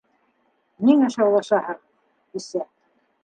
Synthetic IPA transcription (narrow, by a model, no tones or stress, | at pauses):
niŋæʃɑwlˠɑʃɑhɤɾ | isæ